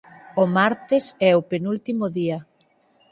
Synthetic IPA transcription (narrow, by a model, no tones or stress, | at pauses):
omaɾt̪ɪsɛopenult̪imoðia